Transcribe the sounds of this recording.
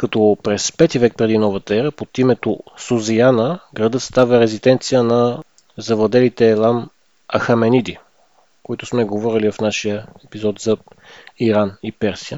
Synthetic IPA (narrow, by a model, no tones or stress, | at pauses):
kɐt̪ɔpɾɛspɛt̪ivɛk̚pɾɛd̪inɔvət̪əɛɾəpot̪imɛt̪osozianəɡɾɐd̪ɤt̪st̪avəɾɛzid̪ɛnt̪sijənɐ | zɐvlˠɐd̪ɛlit̪ɛːlˠam | ɐxɐmɛnid̪i | koit̪ʊsmɛɡovɔɾilivɐfnaʃijəɛpizɔt̪zɐiɾanipɛɾsiə